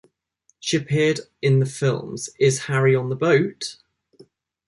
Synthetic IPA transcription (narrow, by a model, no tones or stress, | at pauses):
ʃiəpʰɪədɪ̃nðəfɪlˠmz̥ɪz̥haɹiə̃nðəbəʊt